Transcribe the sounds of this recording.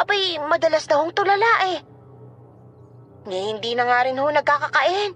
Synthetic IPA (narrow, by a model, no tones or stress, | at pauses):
ʔɐbajmɐd̪ɐlasd̪ɐhoŋt̪ʊlɐlaʔɛ | ŋɐhɪnd̪iːnɐŋaːɾɪnhonɐɡ̚kakɐkɐʔɪn